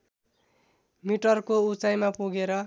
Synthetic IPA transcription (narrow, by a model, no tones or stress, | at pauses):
miʈʌrkout͡sajmapuɡeɾʌ